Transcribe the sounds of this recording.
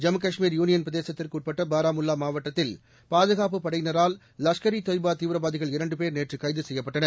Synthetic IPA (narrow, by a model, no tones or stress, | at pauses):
d͡ʒɐmkɐʂmiːɾjuːnɪjɐnpɾɐðeːsɐt̪ːɪrkuːʈ̚pɐʈːɐbaːɾaːmʊlːaːmaːʋɐʈːɐt̪ːɪl | paːðɯɣaːp̬ɯpɐɽɐɪjnɐɾaːl | lɐʂkɐɾit̪oːɪjbaːt̪iːʋɪɾɐbaːðɪɣɐɭɪɾɐɳɖɯpeːɾneːʈrɯkːɐɪðɯsɛjːɐpːɐʈːɐnɐ